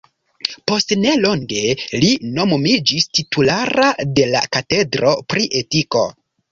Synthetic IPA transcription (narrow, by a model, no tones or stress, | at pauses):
po̞stne̞lo̞ŋɡe̞lino̞momid͡ʒistitulaɾade̞la̰kate̞dɾo̞pɾiʔe̞tiko̞̰